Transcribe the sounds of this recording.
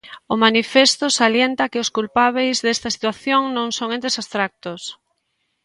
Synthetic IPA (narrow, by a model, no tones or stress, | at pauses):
ʊmanifest̪osaljent̪ɐkɪʊskulpaβ̞ejzðest̪ɐsi̥t̪waθjoŋnõŋsoŋẽnt̪esast̪ɾak̚t̪ʊs